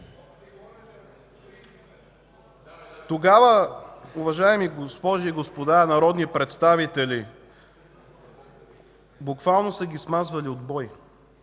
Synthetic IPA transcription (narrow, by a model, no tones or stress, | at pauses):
t̪oɡavəuvɐʒaɛmiɡospɔʒiːɡospod̪aɾɛnɐɾɔd̪nipɾɛt̪st̪avit̪ɛlʲi | bukvalˠnosəɡʲismazvɐliod̪bɔj